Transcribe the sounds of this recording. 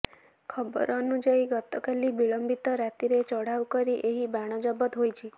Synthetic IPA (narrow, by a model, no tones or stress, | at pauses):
kʰəbə̰ɾənud͡ʒaiɡət̪ɔkalibiɭəmbit̪ɔɾat̪iɾet͡ʃɔɽ̤awkəɾiʔeɦibaɽ̃ɔd͡ʒɔbət̪ɦojt͡ʃʰi